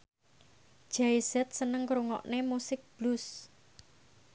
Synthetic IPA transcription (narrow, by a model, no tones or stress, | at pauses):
d̥ʒ̥aisɛt̪̚sənəŋkɾuŋɔ̰ʔnemusɪk̚b̥lus